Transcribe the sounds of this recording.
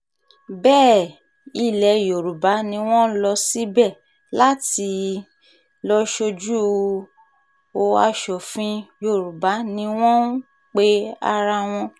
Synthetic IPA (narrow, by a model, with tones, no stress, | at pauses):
bɛː˦˨ | i˦˨lɛ˨jo˨ɾu˨ba˨˦nĩ˧w̃ɔ̃˦lɔ˧si˦bɛ˦˨ | la˦ti˧˦ | lɔ˧ʃo˧d͡ʒu˦ | o˧a˧ʃɔ˨fĩ˧jo˦˨ɾu˨ba˨˦nĩ˧w̃ɔ̃˦ | k͡pe˦a̰˧ɾa˧w̃ɔ̃˧